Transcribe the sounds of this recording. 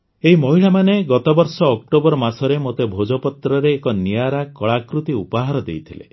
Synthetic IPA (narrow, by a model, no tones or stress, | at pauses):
eɦimɔɦiɭamaneɡɔt̪ɔbɔɾsɔːk̚ʈobɔɾɔmasɔɾemot̪ebʱod͡ʒɔpɔt̪ɾɔɾeːkɔnijaɾakɔɭakɾut̪iupaɦaɾɔd̪ḛjt̪ʰilḛ